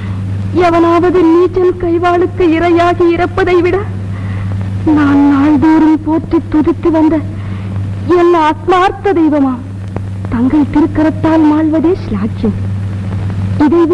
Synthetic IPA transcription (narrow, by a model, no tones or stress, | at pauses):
ɐʋɐnaːʋɐðɯniːt͡ʃɐnkɐɪʋaːɭɯkːɯɪɾɐjaːɣiɪɾɐpːɐðɐɪʋɪɽɐ | naːnnaːɭd̪uːɾɪlpoːʈrit̪ːʊðɪt̪ːɯʋɐnd̪ɐ | ɛnːɐaːt̪̚maːɾt̪ːɐd̪ɐɪʋɐmaːm | t̪ɐŋɡɐɭt̪ɪɾɯkːɐɾɐt̪ːaːlmaːɭʋɐðeːsɪlaːkjɐm | ɪðɐɪʋ